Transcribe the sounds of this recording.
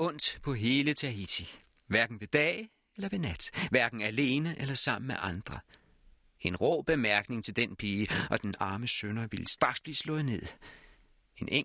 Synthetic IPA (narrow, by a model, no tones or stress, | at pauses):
ɔ̽n̰d̥pʰɒ̽ɦe̝ːlət͡sʰæit͡sʰi | ʋæɐɡ̥n̩ʋe̝d̥ɛ̰ː | elɐʋe̝næd̥ʋæɐɡ̥n̩æle̝ːnəʔelɐsɑ̈m̰n̩meʔɑ̈nd̥ʁɐ | e̝nʁɔ̰ːb̥e̝mæɐɡ̥ne̝ŋt͡sʰe̝ld̥enpʰiːʔɒ̽d̥enɑ̈ːməsønɐʋiləsd̥ʁɑ̈ɡ̥sb̥liːslɔ̽ːðˠne̝ð̰ˠ | e̝nʔeŋ